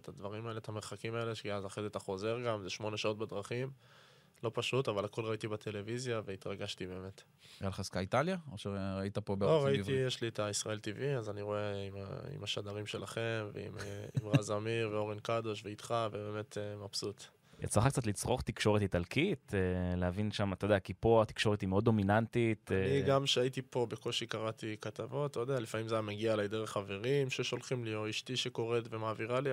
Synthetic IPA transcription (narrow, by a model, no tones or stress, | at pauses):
t̪ad̪vaʁimaelet̪hameʁχakimaeleʃiazaχedet̪aχo̞ze̞ʁɡamzeʃmo̞ne̞ʃao̞t̪̚bed̪ʁaχim | lo̞paʃut̪avalako̞lʁait̪ibat̪ʰe̞le̞vizjave̞it̪ʁaɡaʃt̪ibe̞ːme̞t̪ | jalχaskait̪aljaoʃeʁait̪apo̞beloʁaivtijeʃliet̪aisʁae̞lt̪iviazaniʁo̞eima̰ḭmaʃad̪aʁimʃe̞laχe̞mvḛḭmimʁazamiʁveo̞ʁenkad̪oʃveit̪χavebe̞ːme̞t̪ʰemapsut̪ | ja̰t͡slaχak̚t͡sat̪lit͡sʁo̞χt̪ikʃo̞ʁethit̪alkit̪elehavinʃamat̪odeakipoat̪i̥kʃo̞ʁet̪imeo̞d̪o̞minant̪it̪ːiɡamʃeait̪ipo̞beko̞lʃikaʁat̪ikat̪avo̞t̪ood̪ealifamimzajameɡialajd̪eʁeχave̞ʁimʃeʃo̞lχimlioiʃt̪iʃeko̞ʁet̪vemaːviʁali